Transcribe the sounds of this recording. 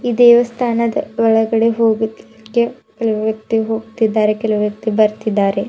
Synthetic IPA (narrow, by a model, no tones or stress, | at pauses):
iːd̪ɛːʋɐst̪ʰaːnɐd̪ɐʋɐɭɐɡɐɽeɦoːɡud̪ | kːe | kelɐʋɐʋjɐk̚t̪iɦoːɡut̪id̪ːaːɾekɐlɐʋɐʋjɐk̚t̪ibɐɾt̪id̪ːaːɾe